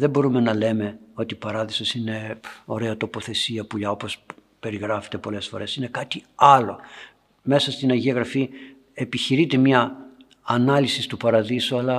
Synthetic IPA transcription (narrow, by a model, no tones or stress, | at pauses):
ðebo̞ɾume̞nɐle̞me̞o̞t̪ipɐɾɐðisosine̞o̞ɾe̞ɐt̪o̞po̞θe̞siɐpuʎɐo̞po̞s | pe̞ɾiɣɾɐfet̪e̞po̞le̞sfo̞̰ɾe̞sine̞kɐt̪iɐlo̞ | me̞sɐst̪inɐʝiɐɣɾɐfi | e̞piçiɾit̪e̞mɲɐː | nɐlisist̪upɐɾɐðisuɐlɐ